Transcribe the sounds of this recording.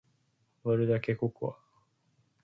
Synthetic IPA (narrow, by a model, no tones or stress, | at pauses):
βaɾɯd̪ake̞koko̰βa